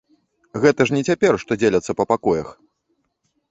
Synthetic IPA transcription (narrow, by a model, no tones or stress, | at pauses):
ɣɛt̪ɐʂnʲɛt͡sʲapʲɛrʂt̪ɔd͡zʲelʲɐt̪sːɐpɐpakɔjɐx